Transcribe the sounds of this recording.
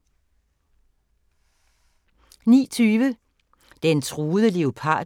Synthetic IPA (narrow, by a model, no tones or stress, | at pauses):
nḭːt͡sʰyːʋə | d̥ent͡sʰʁuːðˠəle̝opʰɑ̰̈ː